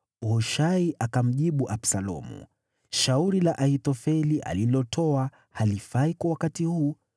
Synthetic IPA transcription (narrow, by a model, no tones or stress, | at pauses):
hɔʃaiʔakam̩ʄiɓuʔapsalɔ̰mṵ | ʃauɾilaʔaitɔfɛliʔa̰lilɔtʰɔa | halifaikwawakatihuː